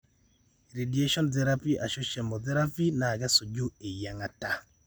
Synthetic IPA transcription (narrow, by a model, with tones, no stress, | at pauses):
ɾe˨di˨e˦ʃɔ˦nt̪ɛ˨ɾa˦pi˦ʔa˨ʃo˦ʃɛ˨mɔ˨t̪ɛ˦ɾa˦pi˦na˨ɡa˦so˨d͡ʒo˦e˨ja˨ŋa˨ta˨